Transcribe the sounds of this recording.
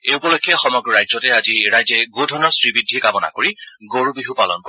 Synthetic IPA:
eupɔlokʰːijaxɔmɔɡɹɔɹajzɔtɛaziɹajzɛɡodʱɔnɔsɹibidʱːikabɔna̰koɹiɡoɹubiɦupalɔ̰nkɔ

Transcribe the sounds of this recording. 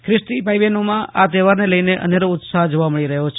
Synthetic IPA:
kɾɪsʈipajʋenomãat̪eʋaɾneləjneʔə̰neɾoʊt̪saɦd͡ʒoʋaməɭiɾəɦot͡ʃʰ

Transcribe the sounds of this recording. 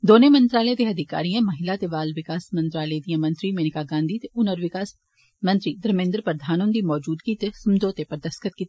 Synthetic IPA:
d̪oːnemɐ̃nt̪ɾaːlɛd̪eɐd̪ʱɪka̰ːɾijãmɐɦɪlat̪eʋaːlʋɪkaːsmɐ̃nt̪ɾaːled̪ijãmɐ̃nt̪ɾimeːnɪkaɡãːnd̪ʱit̪eʊnəɾʋɪkaːs | mɐ̃nt̪ɾid̪ɾmẽːnd̪ɾpəɾd̪ʱaːnõnd̪imɔːd͡ʒuːd̪ɡit̪esʊmd͡ʒ̪oːt̪epɐɾd̪ɐskət̪̚kit̪

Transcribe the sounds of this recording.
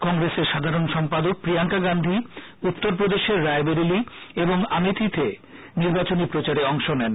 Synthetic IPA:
kɔŋɾeseɾʃad̪ʱaɾonʃɔmpad̪ok̚pɾijaŋkaɡand̪ʱi | ut̪ːoɾp̬ɾod̪eʃeɾːaebeɾilieboŋamit̪ʰit̪ʰe | niɾbat͡ɕonipɾot͡ɕaɾeɔŋʃonɛn

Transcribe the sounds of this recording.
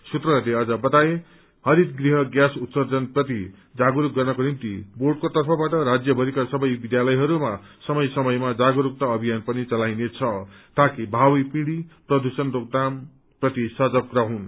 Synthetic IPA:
sut̪rʌleʌd͡zʌbʌt̪aje | hʌɾit̪ɡriɦʌɡjasut̪sʌd͡zʌnprʌt̪i | d͡zaɡuɾuk̚ɡʌrnʌkonimt̪iborɖkot̪ʌrpʰʌbaʈʌɾad͡zjʌbʱʌɾikasʌbʌjbid̪jalʌjɦʌɾuma | sʌmʌjsʌmʌjmad͡zaɡuɾuk̚t̪aʌbʱijanpʌnit͡sʌlajnet͡sʰʌt̪akibʱawjpĩɽiprʌd̪ʱusʌnrok̚d̪am | prʌt̪isʌd͡zʌkrʌɦũn

